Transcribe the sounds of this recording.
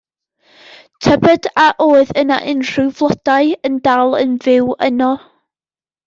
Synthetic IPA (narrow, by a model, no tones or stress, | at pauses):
tʰəbɛdaʔoːɨðəna̰ʔɪnr̥ʊvlˠɔd̥aɨəndalˠə̰nvɪwənɔ